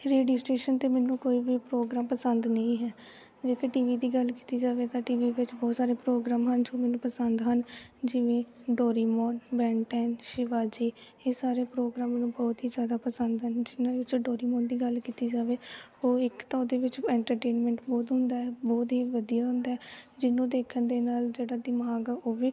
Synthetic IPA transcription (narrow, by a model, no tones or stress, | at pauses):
ɾeːɖijoːsʈeːʃənt̪eːmɛːnũːkoːiʋiːpɾoːɡɾaːmpəsənd̪nəĩːɦɛː | d͡ʒeːkeʈiːʋiːd̪iːɡəlki̥ːt̪iːd͡ʒaːʋeːt̪ãːʈiːʋiːʋɪt͡ʃbɔːt̪saːɾeːpɾoːɡɾaːmɦənd͡ʒoːmɛːnũːpəsənd̪ɦənd͡ʒɪʋẽː | ɖɔːɾiːmɔːnbɛːɳʈɛːnʃɪʋaːd͡ʒiː | eːsaːɾeːpɾoːɡɾaːmːnũːbɔːt̪ɦiːzjaːd̪aːpəsənd̪ɦənd͡ʒɪnãːeʋɪt͡ʃɖoːɾiːmɔːnd̪iːɡəlkiːt̪iːd͡ʒaːʋeːoːɪkt̪ãːod̪eːʋɪt͡ʃɛ̃ːɳʈəɾʈeːnmɛ̃ːɳʈbɔːt̪ɦʊnd̪aːɦɛːbɔːt̪ɦiːʋəd̪ijaːɦʊ̃nd̪aːɛd͡ʒɪnũːd̪eːkʰənd̪eːnaːld͡ʒeːɽaːd̪ɪmaːɡaoːʋiː